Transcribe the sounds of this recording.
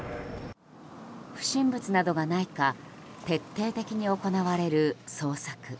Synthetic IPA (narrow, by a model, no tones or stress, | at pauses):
ɸɯ̟̥ɕĩmbɯ̟t͡sɨnad̪o̞ɡanaika | t̪e̞t̪ːe̞ːt̪e̞kʲiɲ̟io̞ko̞naβaɾe̞ɾɯ̟so̞ːsakɯ̟